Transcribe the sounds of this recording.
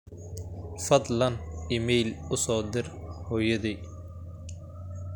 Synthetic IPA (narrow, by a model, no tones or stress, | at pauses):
fɐd̪lɐnɪmɛjlʊsɔːd̪ɪrhɔːjɐði